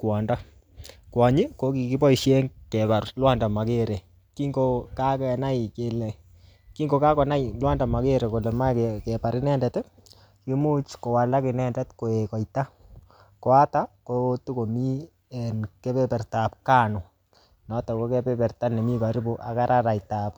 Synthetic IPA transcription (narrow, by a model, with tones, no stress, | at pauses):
kwɔ˨nda˦ | kwa˨ɲi˦ko˦ki˨kɪ˦pɔ˦iʃje˦ŋkɛ˨ba˨rlwa˦nda˨ma˨ke˦ɾe˨ | ki˦ŋoka˦kɛna˦jke˨lɛ˨ | ki˦ŋɡo˨ka˦kɔ˨na˦jlwa˦nda˨ma˨ke˦ɾe˨ko˨lɛ˨ma˦kɛ˨pa˨ɾɪ˦nɛ˦ndɛ˨tɛ˦ | ki˦mu˦t͡ʃko˨wa˨la˦kɪ˨nɛ˦ndɛ˦tko˨e˨kɔ˨jta˦ | kɔ˨a˦ta˦kotu˦ko˨mi˦ | ɛ˨nkɛ˦pɛ˦pɛ˨rta˨p̚ka˦nʊ˨ | nɔ˦tɔ˨ko˦kɛ˦pɛ˦pɛ˨rta˦nɛ˨mi˦ka˨ɾi˦bu˦ʔa̰˨ka˦ɾa˦ɾa˨jtap